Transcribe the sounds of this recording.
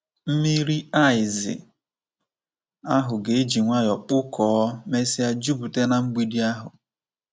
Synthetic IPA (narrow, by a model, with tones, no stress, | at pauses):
m̩˦mi˦ɾi˦a˦˨ɪ˨zɪ̰˨ | a˦ɦʊ˨ɡe˨e˦d͡ʒi˨ŋʷa˦jɔ˨k͡pʊ˦kʰɔː˨˦me˦si˦a˦d͡ʒu˦bu˨te˦na˨ŋ͡m̩˦ɡ͡bi˦di˦a˦ɦʊ˨